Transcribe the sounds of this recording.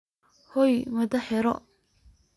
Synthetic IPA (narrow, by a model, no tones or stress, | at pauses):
hɔjmɐd̪ɐħɛɾɔ̰